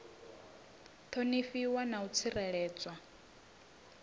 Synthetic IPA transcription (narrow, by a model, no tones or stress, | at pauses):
t̪ʰonifiwanaut͡sʰirɛɺɛːt͡sʼwa